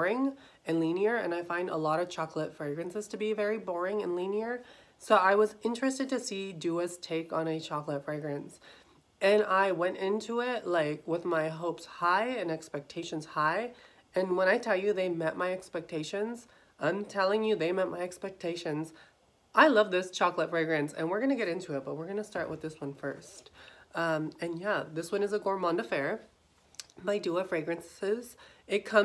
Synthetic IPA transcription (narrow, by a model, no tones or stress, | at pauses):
ɹɪ̃ŋ | ɨ̃nlĩniə˞ɨ̰̃naɪfãɪ̃ndə̰lɔɾʌv̥t͡ʃʰɑklətfɹeɪɡɹɨ̃nsɨz̥tʰɨbivɛɹibɔɹɪ̃ŋɨ̃nlĩniə˞ | soʊʔaɪwʌzɪ̃nt͡ʃɹ̥ɨstɨd̚tɨsidɨʌstʰeɪkn̩ɨt͡ʃʰɑklətfɹeɪɡɹɨ̃ns | ɨ̃naɪwɛ̃ntɪ̃ntʰuɪtlaɪkwɪðmaɪɦoʊpshaɪɨ̃nɛkspɛk̚tʰeɪʃɨ̃nz̥haɪ | ɨ̃nwə̃ɾ̃aɪtʰɛlˠjɨðeɪmɛʔ̚maɪɛkspɛk̚tʰeɪʃɨ̃nz | ʔãɪ̃mtʰɛlˠɪ̃ŋjɨðeɪmɛt̚mʔaɪɛkspɛk̚tʰeɪʃɨ̃nz | ʔaɪlʌvðɪst͡ʃʰɑklətfɹeɪɡɹɨ̃nsɨ̰̃nwɨɹɡʌnɨɡɛɾɪ̃ntʰʉɨt̚b̥ʌt̚wɨɹɡʌnəstɑɹʔwɨ̰ðɪswʌ̃nfɜ̰˞stʌ̃mɨ̃njæðɪswʌ̃nɨzəɡɔɹmɑ̃ndɨfɛɹ | maɪduəfɹeɪɡɹɨ̃nsɪz̥ɨt̚kʰʌ̃